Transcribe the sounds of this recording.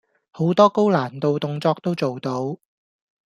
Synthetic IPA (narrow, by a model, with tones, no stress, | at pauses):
ho˨˥wt̪ɔː˥ko˥wlaː˨˩nt̪o˨wt̪ʊ˨ŋt͡sɔː˧k̚t̪o˥wt͡so˨wt̪o˧w